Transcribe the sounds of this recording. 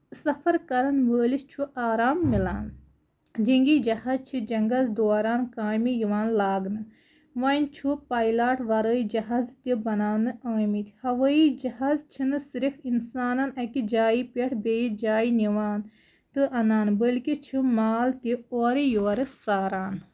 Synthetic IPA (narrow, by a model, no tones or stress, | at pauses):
sɐfʰɐɾkɐɾɐnʋəːlit͡ʃʰuʔaːɾaːmːilaːn | d͡ʒiŋɡid͡ʒɐhaːzt͡ʃʰid͡ʒɐŋɡɐzd̪oːɾaːnkaːjmijiʋaːnlaːɡnɨ | ʋaːnʲt͡ʃʰupaːjlaːʈʰʋɐɾəːid͡ʒɐɦaːzt̪ibɐnaːnɨaːmit̪ʰihɐʋəid͡ʒɐɦaːzt͡ʃʰinɨsiɾifinsaːnɐnɐkid͡ʒaːipeʈʰbeːjid͡ʒaːiniʋaːn | t̪ɨʔɐnaːnbəlkit͡ʃʰimaːlt̪ioːɾijoːɾɨsaːɾaːn